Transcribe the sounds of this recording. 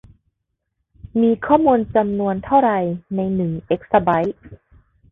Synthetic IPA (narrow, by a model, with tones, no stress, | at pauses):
miː˧kʰɔː˥˩muː˧nt͡ɕa˧mnu˧ənt̪ʰa˥˩wɾa˧jna˧jnɯ˨˩˦ʔe˦˥k̚sa˧ba˦˥j